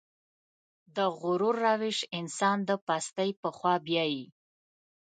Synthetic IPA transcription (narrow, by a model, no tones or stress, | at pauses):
d̪əɣʊɾuɾːawɪʃɪnsɑnd̪əpast̪əjpəxwɑbjɑji